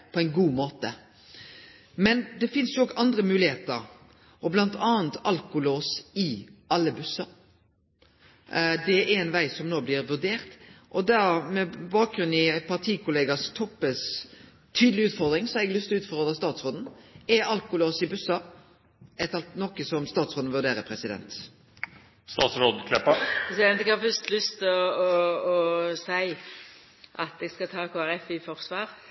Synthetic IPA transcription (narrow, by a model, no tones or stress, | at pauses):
pʰɔɛɪnɡuːmoːt̪ə̰ | mɛnd̪ɛfɪnsjʊɔɡɑnd̪ɾəmʉːlɪheːt̪əɾ | ɔblɑnt̪ʰɑːənt̪ʰɑlkʊloːsɪʔɑlːəbʉsɑ | d̪ɛɛɛnʋæɪsɔmnoːblɪɾʋʉɾd̪eːɾt̪ʔɔd̪æmɛbɑːk̚ɡɾʉnɪpʰɑʁt̪ʰiːkʊleːɡɑst̪ʰɔpːəs | t̪ʰyːd̪lɪʉːt̪fɔʁd̪ɾɪŋsɔɛɡlʏst̪ʰʉːt̪fɔʁd̪ʁəst̪ɑːt̪sɾoːd̪n̩ɛɑlkʊloːsɪbʉsɑ | ɛt̪ɑlt̪nɔkːəsɔmst̪ɑːt̪sɾoːd̪n̩ʋʉɾd̪eːɾəpʰɾɛsɪd̪ɛ̰nt̪ | st̪ɑːt̪sɾoːd̪kʰlɛpːəpʰɾɛsɪd̪ɛnt̪ɛɡhɑfœɾst̪lʏst̪ɪɔɔɔsæɪ | ʔɑt̪̚d̪ɛɡskɑt̪ʰɑːkʰoːæɾɛfɪfɔɾsʋɑːɾ